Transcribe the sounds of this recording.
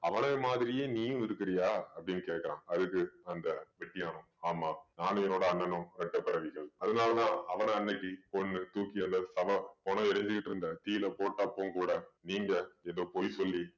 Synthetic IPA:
ɐʋɐnɐːmaːðɪɾɪjeːniːjʊ̃ɪɾɯkːɪɾɐjaːɐpːɐɽɪnːɯkeːʈkːɐɾã̰ːɐðɯkːɯɐnd̪ɐʋɛʈːɪjaːnʊ̃ | aːmːaːnaːnɯjɐnoːɽɐɐnːɐnɯ̃ɾɛʈːɐpɪɾɐʋɪɣɐɭɐðɐnaːlɐt̪ãːɐʋɐnɐɐnːɐkːipɔnːɯt̪uːkɪɐnd̪ɐsɐʋɐponɐɪɾɐɲd͡ʒɯkːɪʈːɯɾɯnd̪ɐt̪iːlɐpoːʈːaːpːoːŋkuːɽɐniːŋɡɐɛðoːpoːjsɔlːi

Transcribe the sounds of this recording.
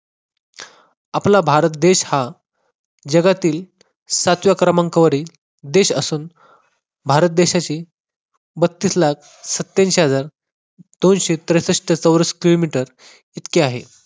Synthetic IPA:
aplabʱaɾət̪̚d̪eɕha | d͡ʑəɡat̪iːl | sat̪ʋjakɾəmãŋkəʋəɾi | d̪eɕəsuːn | bʱaɾət̪̚d̪eɕat͡ɕiː | bət̪ːiːslak̚ʰ | sət̪ːanɕeɦəd͡zaɾ | d̪onɕet̪ɾəjsəʂʈʰət͡səwɾəskilomiʈəɾ | it̪keaɦe

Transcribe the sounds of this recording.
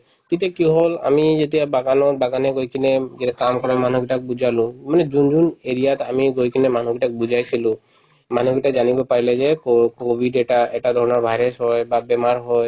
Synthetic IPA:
kit̪ɛkiɦola̰mid͡ʒet̪iabaɡanɔbaɡaneɡojkʰined͡ʒɛtakamkɔɾaman̤uɡiʈakebud͡ʒʱalũmaned͡ʒund͡ʒuneɾijat̪amiɡojkʰinemanuɡiʈakebud͡ʒʱajt͡ʃʰilũ | manuɡiʈad͡ʒanibepaɾiled͡ʒekobʱiɖɛʈaɛʈad̪ʱɔɾɔnɔɾbʱajɾesɦɔjbabɛmaɾɦɔj

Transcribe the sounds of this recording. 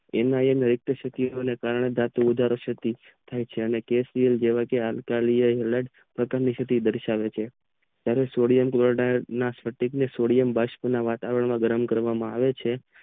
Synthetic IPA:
enaenəɾɪk̚t̪əʃək̪ionekaɾəɳed̪at̪uud̪ʱaɾoʃət̪i | t̪ʰajt͡ʃʰeənekesɾijəld͡ʒeʋakealkalijəɦeləɖ | pɾəkaɾniʃət̪id̪əɾʃaʋet͡ʃʰe | t̪jaɾesoɽijəmkloɽanasfəʈiknesoɽijəmbaʃpunaʋat̪aʋəɾəɳmãɡəɾəmkəɾʋamãa̰ʋet͡ʃʰe

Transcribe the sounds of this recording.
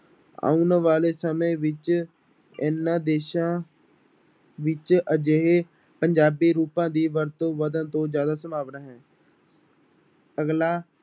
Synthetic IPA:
a̰ːunʋaːleːsəmẽːʋɪt͡ʃ | ɪnːãːd̪eːʃãː | ʋɪt͡ʃəd͡ʒeɦeː | pəɲd͡ʒaːbiːɾuːpãːd̪iːʋəɾt̪õːʋəd̪ə̃nt̪õːzjaːd̪aːsəmaːʋnaːɦɛ̃ː | əɡlaː

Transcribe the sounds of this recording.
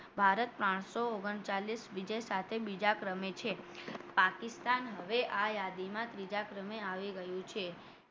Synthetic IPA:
bʱaɾət̪̚pɾãɳ̃sooɡəɳt͡ʃalisʋid͡ʒəjsat̪ʰebid͡ʒakɾəmet͡ʃʰepakist̪anɦəʋeʔajad̪imãt̪ɾid͡ʒakɾəmeaʋiɡəjũt͡ʃʰe

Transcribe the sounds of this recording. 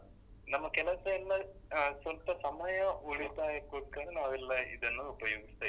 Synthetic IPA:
nɐmːɐkɛlɐsɐɛlːɐsʋɐlpɐsɐmɐjɐʔuɭit̪aːjekuːʈkɐɾenaːʋɛlːɐḭd̪ɐnːuupɐjoːɡist̪ɐ

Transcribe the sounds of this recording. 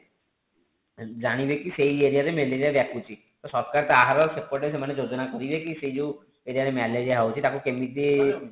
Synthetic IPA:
d͡ʒaɽ̃ibekiseieɾiaɾemeleɾiaɾbɛkʰut͡ʃʰi | t̪ɔsɔɾkaɾt̪aaɦaɾɔɾsekpoʈes̬emaned͡ʒod͡ʒonakɔɾibekisejd͡ʒe | eɾijaɾemɛled͡ʒaɦawt͡ʃʰit̪akukemit̪i

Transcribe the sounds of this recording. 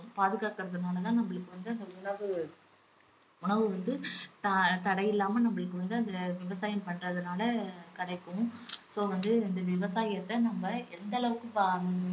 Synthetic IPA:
paːðɯɣaːkɪɾɐðɯnaːlɐt̪ãːnɐmːɐɭɯkːɯʋɐnd̪ɯɐnd̪ɐʊɳɐʋɯ | ʊɳɐʋɯʋɐnd̪ɯt̪ɐt̪ɐɽɐjɪlːaːmɐnɐmːɐɭɯkːɯʋɐnd̪ɯɐnd̪ɐʋɪʋɐsaːjɐmpɐɳrɐðɯnaːlɐkɐɽɐɪkːɯ̃msoːʋɐnd̪ɯɪnd̪ɐʋɪʋɐsaːjɐt̪ːɐnɐmbɐɛnd̪ɐɭɐʋɯkːɯpa

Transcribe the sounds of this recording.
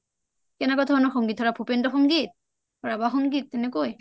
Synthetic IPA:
kɛnakɔtʰɔnɔxɔŋɡit̚ʰɔɹapʰupendɔxɔŋɡit̪̚ | ɔɹabaxɔŋɡit̪̚ːɛnɛkoj

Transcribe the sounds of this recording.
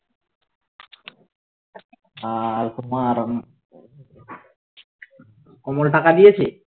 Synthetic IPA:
alkumaːɾɔn | komolʈakad̪ijet͡ɕʰi

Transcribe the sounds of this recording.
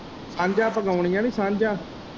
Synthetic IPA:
sãːɲd͡ʒãːpəɡaːʊɳ̃ijãːniːsãːɲd͡ʒãː

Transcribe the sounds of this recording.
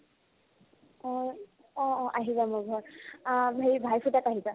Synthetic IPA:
ɔ̃ | ɔ̃ɔ̃ʔaɦizamʊɡʱɔ | ɦebʱajpʰutataɦiza

